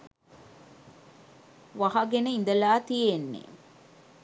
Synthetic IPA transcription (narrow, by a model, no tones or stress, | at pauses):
ʋɐɦɐɡeneind̪ɐlaːt̪ijenːḛ